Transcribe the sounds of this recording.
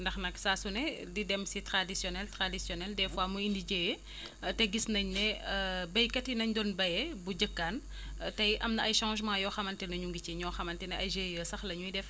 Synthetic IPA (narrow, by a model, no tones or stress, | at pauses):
ndɐxnɐksaːsunɛdidɛmsitɾadisjɔnɛltɾadisjɔnɛldɛfwaːmuindiɟejɛ | tɛɡisnɐɲnɛbɐjkɐtinɐɲdɔnbɐjɛbuɟəkːaːn | tɐjʔɐmnɐɐjʃãːʒmãːjɔːxɐmɐntɛnɐɲuŋɡiciɲɔːxɐmɐntɛnɛɐjʒeːjəsɐxlɐɲujdɛf